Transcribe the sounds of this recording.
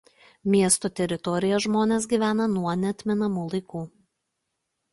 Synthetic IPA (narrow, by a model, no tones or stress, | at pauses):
mʲiɛst̪oːt̪ʲɛɾʲɪt̪ɔɾʲɪjɛʒmoːnʲeːs̬ɡʲiːʋʲæːnɐnuɔnʲɛɐt̪ʲmʲɪnɐmuːlˠɐɪkuː